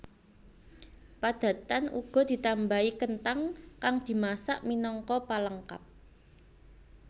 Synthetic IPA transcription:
pad̪̥ä̤t̪anʔṵɡ̥ɔ̤d̪̥i̤t̪ambaikənt̪aŋkaŋd̪̥i̤masaʔminɔŋkɔpaləŋka̰p̚

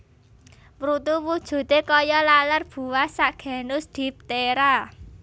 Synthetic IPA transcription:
pɾut̪uwud̥ʒ̥ṳt̪ekɔjɔlalərb̥ṳwasaɡ̥ɛ̤nʊsd̪̥i̤p̚t̪eɾa

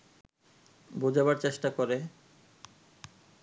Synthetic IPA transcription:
bod͡ʑabaɾt͡ɕeʃʈakɔɾe

